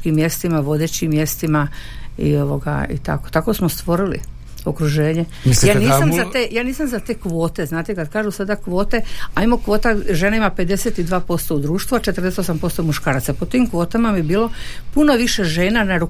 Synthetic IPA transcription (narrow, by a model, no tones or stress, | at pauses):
kimːje̞st̪imaʋo̞d̪e̞t͡ɕimːje̞st̪imaḭo̞ʋoɡa̰ḭt̪a̰ko̞̥t̪ako̞smost̪ʋo̞ɾilḭ | o̞kɾuʒe̞ːɲe | mislaːniːsamzaejaːniːsamzat̪e̞ːkʋo̞ːt̪e̞znaːt̪ekad̪kaːʒusad̪akʋo̞ːt̪e̞ajimokʋo̞ːt̪aʒe̞naimape̞d̪e̞set̪id̪ʋaːpo̞st̪o̞ud̪ɾuːʃt̪ʋuat͡ʃet̪ər̩d̪eset̪o̞s̬ampo̞st̪omuʃkaːɾat̪sapot̪imkʋo̞ːt̪amamjebiːlˠo̞ | punoʋiʃe̞ʒe̞ːnanaɾu